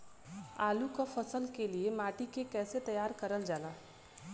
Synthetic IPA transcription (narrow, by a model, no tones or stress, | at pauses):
a̰ːlukafɐsəlkeliemaːʈikekɛːset̪ɐjaːɾkɐɾəld͡ʒaːlaː